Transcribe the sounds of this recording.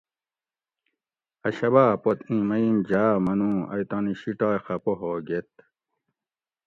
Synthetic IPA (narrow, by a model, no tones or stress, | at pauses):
ɐɕɐβaːpot̪ĩmɐimd͡ʑamɐnũːɐ̰jt̪ɑniɕiʈaːjxɐpoɦoːɡet̪